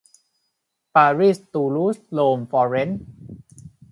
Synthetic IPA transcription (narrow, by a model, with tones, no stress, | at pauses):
paː˧ɾi˥˩st̪uː˧luː˦˥sloː˧mfɔː˧ɾe˦˥n